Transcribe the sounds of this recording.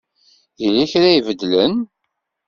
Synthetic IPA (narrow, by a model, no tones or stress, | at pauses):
jiliçɾæjvəd̪ːlən